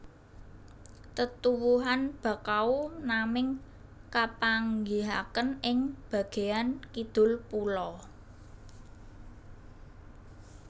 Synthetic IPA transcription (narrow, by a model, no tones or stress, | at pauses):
t̪ət̪uwuɦanb̥ä̤kaunamɪŋ | kapaŋɡiɦakənɪŋb̥ä̤ɡ̥e̤ankid̪̥ʊ̤lpulɔ